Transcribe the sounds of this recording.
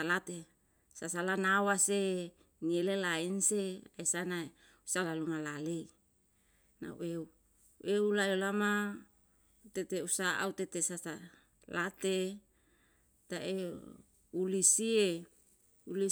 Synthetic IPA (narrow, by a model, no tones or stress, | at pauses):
alat̪e | sasalanawase | ŋielelainseaisanae | usalalumalale | na̰ṵʔeu | ʔeulalolama | ut̪et̪eusaʔa̰ut̪et̪esasa | lat̪e | t̪aʔe | ulisie | uli